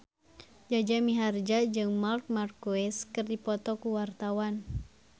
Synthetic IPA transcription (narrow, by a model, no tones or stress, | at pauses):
d͡ʒad͡ʒamiɦard͡ʒad͡ʒɨŋmark̚markuɛskɨrdipɔt̪ɔkuwart̪awan